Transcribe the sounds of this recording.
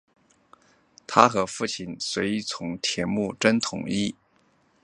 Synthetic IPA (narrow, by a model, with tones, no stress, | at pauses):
t̪ʰa˥xɤ˧˥fu˥˩t͡ɕʰi˥˩nswe˧˥ɪi˧˥t͡sʰʊ˧˥ŋt̪ʰjɛ˧˥nmu˥˩ʈ͡ʂə˥nt̪ʰʊ̰˨˩˦ŋi˥˩